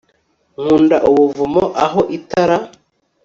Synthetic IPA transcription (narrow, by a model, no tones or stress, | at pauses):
ŋuːndaʔuβuvumoʔaɦoʔitaɾa